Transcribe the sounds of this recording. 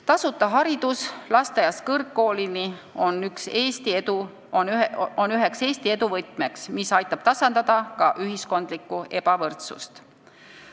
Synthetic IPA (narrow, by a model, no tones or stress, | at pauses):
t̪ɑsut̪ːˑɑɦɑɾid̪̥uslɑst̪ejɑskɤrkːo̞ːlinio̞nykse̞ːst̪ied̪u | onyɦe̞kse̞ːsʲt̪ie̞d̪uvɤt̪ˑme̞ksmisɑjt̪ːˑɑb̥t̪ɑsɑnd̪̥ɑd̪̥ɑkɑʔyɦisko̞nd̪̥likːˑue̞b̥ɑvɤrt̪sṵst̪